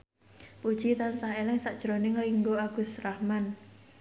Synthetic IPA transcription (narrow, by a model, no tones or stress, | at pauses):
pud̥ʒ̥it̪ansaɦelɪŋsaʔd̥ʒ̥ɾonɪŋriŋɡoaɡ̥usrahman